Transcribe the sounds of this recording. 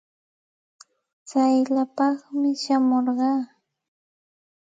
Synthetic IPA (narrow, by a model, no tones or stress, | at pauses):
t͡sajlapɑχmɪʃamoɾɢɑː